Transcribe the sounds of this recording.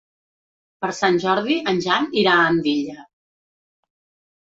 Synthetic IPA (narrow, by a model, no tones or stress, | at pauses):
pəɾsanʲʒɔɾðiənʲʒaniɾaəmbiʎə